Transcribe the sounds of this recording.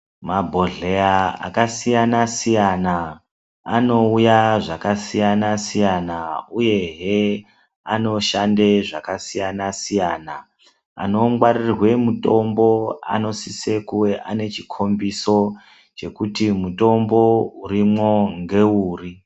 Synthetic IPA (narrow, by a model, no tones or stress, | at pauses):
mabʱoɮeaa̰kasijanasijana | a̰no̞ujaʐakasijanasijanauje̞ɦe | a̰no̞ʃande̞ʐakasijanasijaːna | a̰no̞mɡwarirwe̞muto̞mbo̞a̰no̞sise̞kuweʔane̞t͡ʃikʰo̞mbiso̞ | t͡ʃe̞kutimuto̞mbo̞uɾimwo̞ŋɡe̞uːri